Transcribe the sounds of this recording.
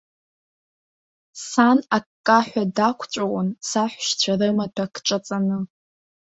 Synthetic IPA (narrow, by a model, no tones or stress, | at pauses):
sanakʼːaħʷᶣadakʷʰt͡ʃʷʼawansaħʷʃt͡ɕʷʰarɨmatʰakʰʈ͡ʂʼat͡sʼanɨ